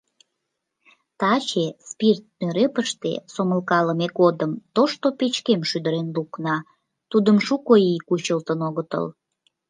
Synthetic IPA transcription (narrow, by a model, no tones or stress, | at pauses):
t̪ɑt͡ɕespirt̪̚nøɾepəʃt̪ḛsoməlkɑləmeɡod̪əmt̪oʃt̪opet͡ɕkemʃyd̪əɾenluknɑ | t̪ud̪əmʃukoikut͡ɕəlt̪ənoɣət̪ə̰l